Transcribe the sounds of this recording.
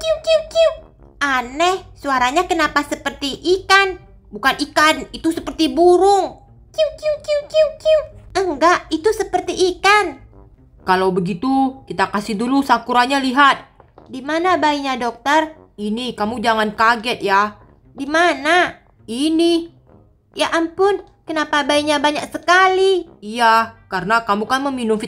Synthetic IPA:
kiukiukiu | ʔanɛhsuaɾaɲakənapasəpərt̪iʔikan | bukanikanit̪usəpərt̪ibuɾʊŋ | kiukiukiuiukiuəŋɡaʔit̪usəpərt̪iʔːkan | kalawbəɡit̪ukit̪akasɪhdulusakuɾaɲaliɦat̪̚dimanabaiɲadɔk̚t̪ər | inikamud͡ʒaŋankaɡɛt̪̚ja | dimana | ini | jaʔampʊn | kənapabaiɲabaɲak̚səkaliijakaɾənakamukanməminʊmf

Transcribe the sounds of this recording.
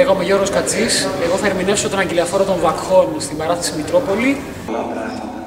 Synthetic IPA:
eɣomeʝo̞ɾɣoskɐt͡sise̞ɣo̞θɐeɾminefsot̪onɐɲɟeliɐfo̞ɾɐt̪o̞ɱvɐkxo̞nst̪imɐɾɐθɐsimit̪ɾo̞po̞li

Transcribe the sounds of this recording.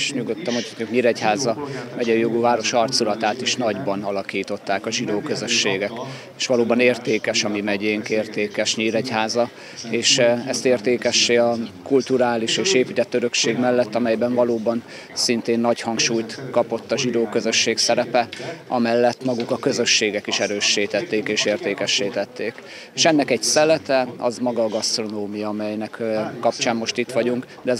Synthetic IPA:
ʃɲuɡot̪ːɒmot̪ʰɔukɲiːɾɛchaːzɒmɛɟɛjoɡuvaːɾo̞ʃɒrt̪sulɒt̪aːt̪iʃnɒɟbɒnɒlɒkiːt̪o̞t̪ːaːkɒʒid̪oːkø̞zø̞ʃːeːɡɛk | eːʃʋɒloːbɒneːrt̪eːkɛʃɒmimɛɟeːŋkeːrt̪eːkɛʃɲiːɾɛchaːzɒ | eːʃɛst̪eːrt̪eːkɛʃːeːɒkult̪uɾaːliʃeːʃeːpit̪ɛt̪ːøɾø̞kʃeːɡmɛlːɛt̪ːɒmɛjbɛɱvɒloːbɒn | sint̪eːnːɒchɒŋkʃuːjt̪kɒpo̞t̪ːɒʒid̪oːkøzøʃːeːksɛɾɛpɛɒ̰mɛlːɛt̪ːmɒɡukɒkøzø̞ʃːeːɡɛkiʃɛɾøːʃːiːt̪ɛt̪ːeːkeːʃeːrt̪eːkɛʃːiːt̪ɛt̪ːeːk | eːʃɛnːɛkɛcsɛlːɛt̪ɛɒzmɒɡɒːɡɒst̪ro̞noːmijɒɒmɛjnɛkkɒp̚t͡ʃaːmːo̞ʃt̪it̪ʋɒɟuŋk | d̪ɛ

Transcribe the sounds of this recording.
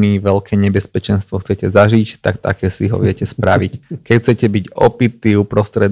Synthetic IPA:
miʋɛlkʰɛːɲɛbɛspɛt͡ʃɛnst̪ʋɔxt͡sɛcɛzaʒict̪a̰kt̪a̰kɛːsiɦɔ̰ʋɪɛcɛspɾaʋickɛcxt͡sɛcɛbiɟɔ̰pit̪iːupɾɔst̪ɾɛd̪

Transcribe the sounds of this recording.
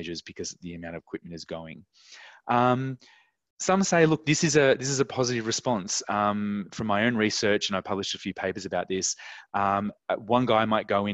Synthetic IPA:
d͡ʒə˞zbɨkʰʌzðiɨmãʊ̃ñʌvəkʰw̥ɪp̚mɨ̃n̩tɨzɡoʊɪ̰̃ŋ | ʔʌ̃m | sʌ̃mseɪlʊk̚ðɪsɨzɨðɪs̬ɨzɨpʰɑzɨɾɨvɹɨspɑ̃nsʌ̃mfɹʌ̃maɪõʊ̃nɹisɜ˞t͡ʃɨ̃naɪ̥pʰʌblɨʃtɨfjʉpʰeɪpə˞zɨbaʊt̪̚ðɪsʌ̃mwʌ̃nɡaɪmaɪt̚ɡ̥oʊɨ̃

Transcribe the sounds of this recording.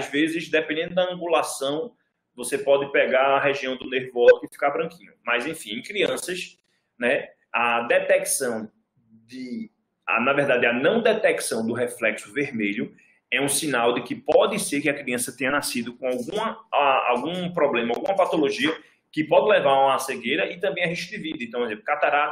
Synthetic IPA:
azvezɪzd̪ɛpẽd̪ẽnd̪ʊd̪ɐɐ̃ɡulasɐ̃w̃ | vosepɔd̪ɪpɛɡaɾɐɦeʒiɐ̃w̃d̪ʊneɾvɔzʊɪfi̥kaɾbɾɐ̃ŋkĩɲʊmɐjzẽfĩẽkɾiɐ̃sɐs | nɛ | ɐd̪ɛt̪ɛksɐ̃w̃ | d̪ɪ | a̰nɐvɛɾd̪ad̪ɪɐnɐ̃w̃d̪ɛt̪ɛksɐ̃w̃d̪ʊɦɛflɛksʊveɾmeʎʊ | ɛũsĩnawd̪ɪkɪpɔd̪ɪseɾkɪɐkɾiɐ̃sɐt̪ẽɲɐnasid̪ʊkõawɡũmɐaa̰wɡũpɾɔblẽmɐawɡũmɐpat̪oloʒiɐ | kɪpɔd̪ɪlɛvaɾaseɡejɾɐʔɪt̪ɐ̃mbẽj̃ɐɦĩʃʊd̪ɪvid̪ɐẽt̪ɐ̃w̃ɛzẽplʊkat̪aɾa

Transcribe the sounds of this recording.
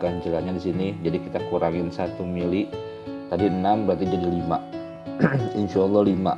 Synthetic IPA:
kand͡ʒəlaɲadisinid͡ʒadikit̪akuɾaŋɪnsat̪umilɪ | t̪adiənambəɾat̪idadilima̰ | ɪnʃaːlːɑhlima̰

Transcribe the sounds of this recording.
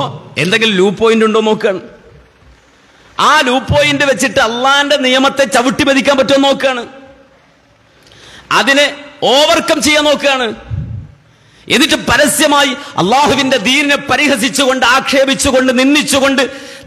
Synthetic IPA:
ḛnd̪e̞ŋɡilmluːpːo̞ːjinduɳɖoːno̞ːkːjaːɳɨ | aːluːpːo̞ːjindɨʋet͡ɕːiʈːɨɐlːaːinde̞nijɐmɐt̪ːe̞t͡ɕɐʋɨʈːibɐðikʲːaːnmpɐtːumnːo̞ːkːɨjaːɳɨ | ɐðinɨo̞ːʋɐrkːɐmt͡ɕe̞jːaːnːo̞ːkːɨjaːɳɨ | enːiʈːɨpɐɾɐsjɐmaːjiɐ̰lˠːaːhuʋinde̞d̪iːninɨpɐɾihɐsit͡ɕːuɣo̞ɳɖɨaːkʂe̞ːbit͡ɕːuɣo̞ɳɖɨninːit͡ɕːuɣo̞ɳɖɨ

